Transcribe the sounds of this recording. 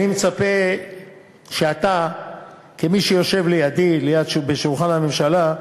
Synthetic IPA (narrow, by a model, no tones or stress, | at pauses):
nimet͡sape | ʃeat̪a | kemiʃejo̞ʃe̞vlejad̪ilejad̪ʃbeʃulχanamemʃala